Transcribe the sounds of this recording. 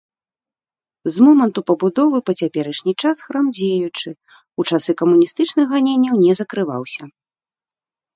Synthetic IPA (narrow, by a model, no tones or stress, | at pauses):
zmɔmɐnt̪upɐbud̪ɔvɨpɐt͡sʲapʲɛɾɐʂnʲit͡ʂasxɾamd͡zʲejut͡ʂɨ | ut͡ʂasɨkɐmunʲist̪ɨt͡ʂnɨxɣanʲenʲːɐwnʲɛzɐkɾɨva̰wsʲɐ